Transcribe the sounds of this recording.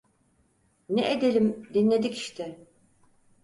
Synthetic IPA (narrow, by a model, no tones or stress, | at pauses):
nɛ̰ʔed̪elʲimd̪inlʲe̞d̪ici̥ʃt̪ʰɛ